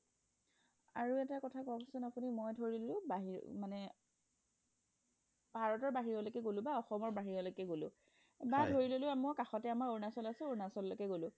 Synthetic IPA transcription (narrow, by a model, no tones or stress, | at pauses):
aɹuɛtakɔtʰakɔkasʊnapunimɔjdʱoɹiollʊ̃baɦiɹ̰manɛ | bʱaɹɔtɔɹbaɦiɹɔlokɛɡolʊ̃baɔxɔmɔɹbaɦiɹɔlokɛɡolʊ̰̃ | badʱoɹilolʊ̃amɔkaxɔtɛamaɹoɹnasɔlasʊ̃oɹnasɔllokɛɡolʊ̃